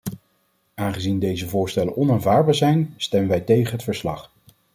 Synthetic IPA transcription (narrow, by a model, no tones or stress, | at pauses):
aːnχəzindejzəvʊːɹstɛlənʔɔnaːnvaːɹbaːɹzɛjnstɛmənʋɛjtejχənɦətfəɹslɑ̰χ